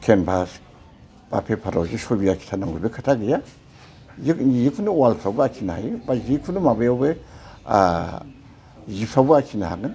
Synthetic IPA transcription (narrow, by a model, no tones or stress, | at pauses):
kʰenbʰas | b̥a̰pʰepʰaɾa̰d͡ʒiʃobiakʰi̥tʰanaŋɡubekʰətʰaɡəja | jijikʰunuwalsʰabuakʰina̰jibad͡ʒikʰunumabajabea̰ | jisabuakʰina̰ɡən